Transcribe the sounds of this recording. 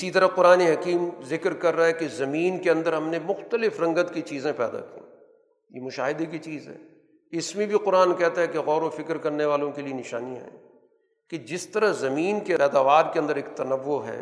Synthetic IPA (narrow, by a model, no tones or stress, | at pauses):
ɪsit̪ɐɾaqʊɾaːneɦɐkiːmzɪkɾkɐɾːaaɦɛkezɐmiːnkeɐ̃nd̪əɾɦɐmnemʊxt̪əlɪfɾɐ̃ŋɡət̪kit͡ʃiːzẽpɛ̰ːd̪a̰kḭ̃ː | jḛmʊʃaːɦɪd̪ek̬it͡ʃiːzɦɛ̰ː | ɪsmẽbʱiqʊɾaːnkɛɦt̪aɦɛkeɣɔːɾõfɪkɾkɐɾneʋaːlõkelienɪʃa̰ːnijãɦɛ̰̃ː | ked͡ʒɪst̪ɐɾazɐmiːnkepɛːd̪aːʋaːɾkeɐ̃nd̪əɾeːkt̪ɐnɐʋːoɦɛ̰ː